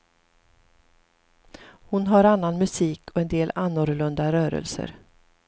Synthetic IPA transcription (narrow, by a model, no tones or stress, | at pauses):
hʊnɦaɾanːanmɵsiːkʰɔɛnd̪eːlanːʊɾɭɵnd̪aɾœːɾə̰lsə̰ɾ